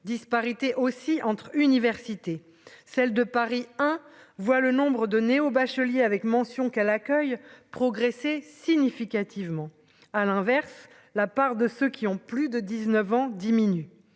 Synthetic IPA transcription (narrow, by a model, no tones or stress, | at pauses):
d̪ispaʁit̪eʔosiʔɑ̃t̪χynivɛʁsit̪e | sɛld̪əpaʁiɛ̃vwalənɔ̃bʁəd̪əneobaʃəljeavɛkmɑ̃sjɔ̃kɛlakʲœjpχɔɡʁesesiɲifikat̪ʰivmɑ̃ | alɛ̃vɛʁs | lapaʁd̪əsøkʲiɔ̃plyd̪əd̪iznəvɑ̃d̪iminy